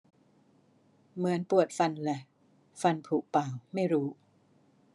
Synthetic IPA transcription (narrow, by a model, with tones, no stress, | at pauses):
mɯ˩˦ənpu˨˩ət̪̚fa˧nlɛ˨˩ | fa˧npʰuː˨˩k̚paː˨˩wma˥˩jɾuː˦˥